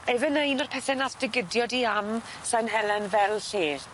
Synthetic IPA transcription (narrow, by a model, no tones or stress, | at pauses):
evənəjnɔrpʰɛθɛnasd̥ɪɡɪdjɔdiam | sanɦɛlˠɛnvɛlˠɬeːr